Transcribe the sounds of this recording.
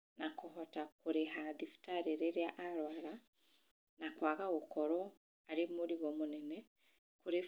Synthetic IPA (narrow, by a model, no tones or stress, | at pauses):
nakoɦotakuɾeɦaðifi̥taɾeɾeɾjaʔaɾwaːɾa | nakwaːɣaɣokoɾɔ | aɾemuɾiɣomunɛne | kuɾe